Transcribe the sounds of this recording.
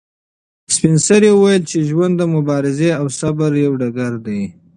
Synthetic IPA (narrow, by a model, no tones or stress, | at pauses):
spɪnsaɾjewəwajəlt͡ʃeʒwand̪ːəmʊbɑɾɪzeawsabaɾjawɖaɡaɾd̪aj